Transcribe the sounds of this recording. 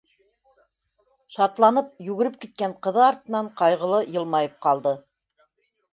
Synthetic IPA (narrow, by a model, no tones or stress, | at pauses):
ʃɑt̪lˠɑnɤp̚jʉɣɘ̆ɾɘp̚kit̪̚kæɴqɤ̆ðɤɑɾt̪ɤ̆nɑɴqɑjʁɤ̆lˠɤjɤ̆lˠmɑjɤp̚qɑlˠd̪ɤ